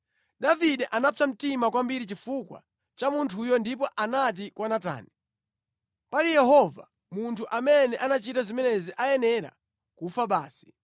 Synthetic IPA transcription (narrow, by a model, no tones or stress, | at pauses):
ɗaviɗɛʔanapʰam̩timakwambiɾit͡ʃifukwa̰ | t͡ʃamuntʰujɔndip̬ɔʔanat̬ikwanata̰ːni | palijɛɦɔva̰ | muntʰuʔamɛnɛʔanat͡ʃitazimɛnɛziʔajɛnɛɾa̰ | kufaɓaːsi̥